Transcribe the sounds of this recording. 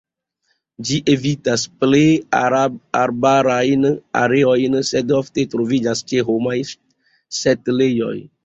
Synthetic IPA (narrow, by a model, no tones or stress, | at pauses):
d͡ʒiʔevit̪asple | aɾbaɾajna̰ɾeɔjnsɛd̪ɔft̪et̪ɾovid͡ʒast͡ʃeɦomaj | sɛt̪lejɔ̰j